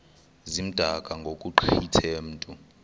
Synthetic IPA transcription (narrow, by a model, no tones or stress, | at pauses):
zim̩d̥ʱakʼaŋɡʱokʼuǃʰitʰem̩ːtʼu